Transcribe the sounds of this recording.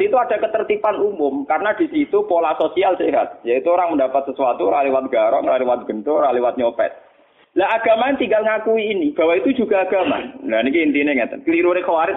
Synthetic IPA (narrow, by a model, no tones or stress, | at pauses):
iit̪uad̥a̤kət̪ərt̪ipanumʊmkaɾənadi̤sit̪upolasosialseɦat̪̚jait̪uoɾaŋməndapat̪̚səsuat̪uɾalewat̪̚ɡ̥aɾɔ̰ŋralewat̪̚ɡ̥ənt̪ʊɾalewat̪̚ɲopɛ̰t̪̚ | laɦaɡ̥amaant̪iŋɡalŋakuiːnib̥a̤wait̪u̥d͡ʒṳɡaːɡ̥ama̰lanikiint̪ineŋat̪kəliɾuɾekəwaɾɪt̪